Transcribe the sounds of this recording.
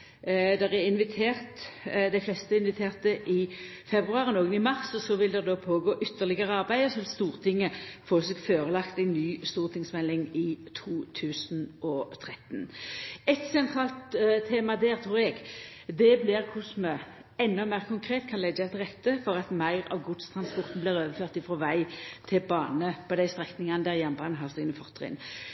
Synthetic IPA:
d̪ɛʁɛɪnʋɪt̪ʰeːʁt̪d̪æɪflɛst̪əɪnʋɪt̪ʰeːʁt̪əʔɪfɛbʁʉɑːʁənoːɡənɪmɑʁsɔsɔʋɪld̪ɛʁd̪oːpʰoːɡoːʔʏt̪ːəʁlɪɡəʁəɑʁbæɪɔsɔʋɪlst̪uːʁt̪ʰɪŋːəfoːseɡføːʁəlɑkt̪æɪnːyːst̪uːʁt̪ɪŋsmɛlːɪŋɪt̪ʰuːt̪ʰʉːsnʔɔt̪ʰʁɛt̪nɛt̪sɛnt̪ʰʁɑːlt̪t̪ʰːeːmɑd̪æːʁt̪ʰʁuːʁɛɡ | d̪ɛblɪʁkʰʊsmɛ | ɛnːɔmæɪʁkʰʊŋkʰʁeːt̪kʰɑnlɛɡəæɪt̪ʁɛt̪ːəfɔʁɑt̪mæɪʁɑ̰ʋɡʊd̪st̪ʰʁɑnspɔʁt̪n̩blɪʁøːʋəføːʁt̪ɪfɾɔʋæɪt̪ʰɪlbɑːnəpʰɔd̪æɪst̪ʁɛknɪŋɑnəd̪æːʁjɛnbɑːnɦɑʁsɪɡnəfɔʁt̪ʰːʁɪ̰n

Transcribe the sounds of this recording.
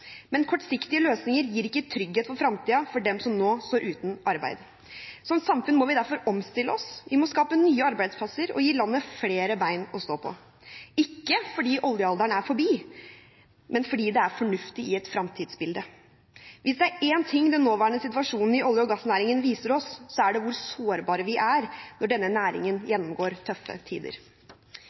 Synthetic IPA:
mɛnkʰɔʈːsɪkt̪ɪəløːsnɪŋəɾjiːɾɪkːət̪ʰɾʏɡheːt̪fɔɾfɾɑmt̪ʰiːɑfɔɖɛmsɔmnoːst̪oːɾʔʉːt̪n̩ʔɑɾbæ̰ɪd̪ | sɔmt̪sɑmfʉnːmɔʋɪd̪æɾfɔɾɔmst̪ɪlːəɔsʋɪmɔskɑːpənyːəɑɾbæɪd̪spʰɑsːəɾɔ̰jiːlɑnːəfleːɾəbæɪnɔst̪oːpʰɔ̰ | ɪkːəfɔɖiːʔɔljəɑld̪æɳæɾfɔbiː | mɛnfɔɖiːd̪ɛæɾfɔɳʉft̪ɪɪɛt̪fɾɑmt̪ʰiːd̪sbɪld̪ə | ʋʔɪsd̪ɛæɾeːnt̪ʰɪŋːd̪ɛnːoːʋæːɾəɳəsɪt̪ʉʋɑʂuːnn̩ɪʔɔljəɔɡɑsnæːɾɪŋənʋiːsəɾɔsːɔæɖɛʋʊɾsoːɾbɑːɾəʋɪʔæɾnɔɖɛnːənæːɾɪ̰ŋənjɛnːɔmɡoːɾt̪ʰœfːə̰t̪ʰḭːd̪ə̰ɾ

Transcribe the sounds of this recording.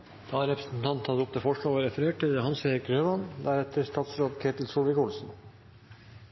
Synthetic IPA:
d̪̥ɑːɾɛpɾəsn̩t̪ʰɑnt̪hɑd̪əʊp̚t̪ʰɛfɔʂɭoːʋɑːɾɛfɾeːʈɪd̪hɑnseːɾɪkɾøːʋɑnd̪æɾɛt̪əst̪ɑːt̪sɾoːd̪kʰeːt̪ɪlsuːʋɪkʊlsn̩

